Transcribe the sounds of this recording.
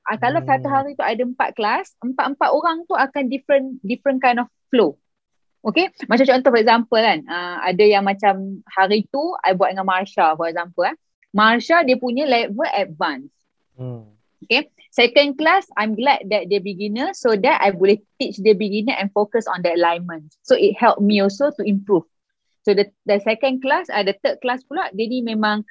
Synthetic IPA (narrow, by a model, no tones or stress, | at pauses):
ʔakalasat̪uɦaɾit̪uajdəəmpa̰t̪̚klasəmpat̪̚əmpat̪oɾaŋt̪uakandifɾə̃ndifɾə̃nkajndɔfflo | ʔokemat͡ʃamt͡ʃɔə̃nt̪ufɔɛk̚zãmpəlanãa̰dəjaŋmãt͡ʃamhaɾit̪ua̰jbuat̚dəŋãnmarʃalfɔɾɛk̚zampəla | marʃadiəpuɲə̃lajk̚vəʔɛt̚vãns | oke | sɛkə̃nklasajmɡlɛk̚dɛt̚dəbiɡinəsodɛta̰jbuliht̪it͡ʃdəbiɡinə̃ʔɛ̃nfokəsɔ̰̃ndəəlajmə̃nsoit̚hɛlp̚mĩɔlsot̪uĩmpɹuf | sodə | dəsɛkə̃nklasədət̪ət̚klaspulaʔdɛnimẽmãŋ